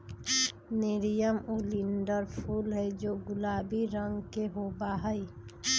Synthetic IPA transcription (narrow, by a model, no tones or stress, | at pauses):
nɪɾijəmuliɳɖəɾpʰuːlɦɛd͡ʒoːɡʊlaːbiɾə̃ŋɡkeɦoːbaɦəi